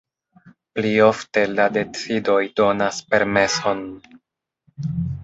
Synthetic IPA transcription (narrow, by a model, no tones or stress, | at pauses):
plio̞fte̞lade̞t͡sido̞jdo̞naspe̞ɾme̞so̞n